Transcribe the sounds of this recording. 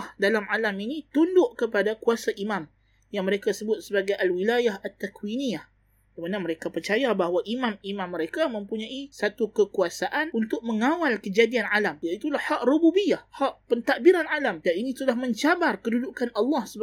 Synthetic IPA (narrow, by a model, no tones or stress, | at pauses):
hdalamalaminĩt̪undʊʔkəpadakuasaʔimãm | jaŋməɾekasəbʊt̪̚səbaɡajʔalwilajahat̪ːakwinĩah | kəmanaməɾekapərt͡ʃajabahwaʔimãmimãmːəɾekamə̃mpuɲãʔisat̪ukəkuasaʔanunt̪ʊk̚məŋawalkəd͡ʒadianalamjait̪ulahːaʔrububijahhaʔpənt̪akbiɾanalamdaninĩsudahmə̃ɲt͡ʃabarkəduduʔkanɑlːɑhsə